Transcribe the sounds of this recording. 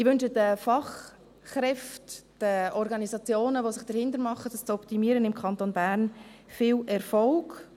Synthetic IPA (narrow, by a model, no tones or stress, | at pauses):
ɪʋʏnʃədəfɑχː | ɾɛftd̥əɔɾɡɑnisɑt͡sjoːnəʋosɪχd̥əɾhɪndəɾmɑχəd̥əst͡sɔptimiːəɾənɪmkʰɑnt̪onbæːɾnfɪːlɛɾfɔlɡ̥